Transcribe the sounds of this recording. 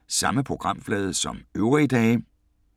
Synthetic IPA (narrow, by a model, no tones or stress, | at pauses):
sɑ̈məpʰʁo̝ɡ̥ʁɑ̈m̰flɛːð̞ˠsɒ̽møʊʁid̥ɛː